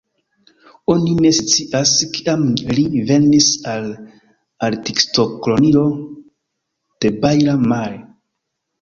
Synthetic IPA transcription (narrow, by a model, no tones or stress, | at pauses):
o̞nine̞st͡siʔaskiʔamlive̞nisal | altiksto̞klo̞nilo̞ | d̥e̞bajɾamaɾe